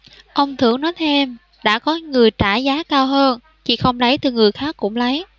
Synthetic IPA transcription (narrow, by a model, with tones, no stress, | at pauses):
ʔə˧wŋ͡mt̪ʰɨ̰˧˩əŋnɔ˨˦jt̪ʰe˧m | ɗa̰ː˧˥kɔ˨˦ŋɨ˨˩əjt͡ɕaː˧˩zaː˨˦kaː˧wɦəː˧n | t͡ɕḭ˧˨xə˧wŋ͡mlə˨˦jt̪ɨ˨˩ŋɨ˨˩əjxaː˦˥kːʊ̰˧˥ŋ͡mlə˨˦j